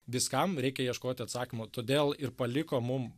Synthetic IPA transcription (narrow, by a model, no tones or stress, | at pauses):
ʋʲɪskɐmɾʲɛɪkʲɛjiɛʃkoːt̪ʲɪɐt̪sɑːkʲɪmoːt̪oːd̪ʲeːlˠɪrpɐlʲɪkoːmʊm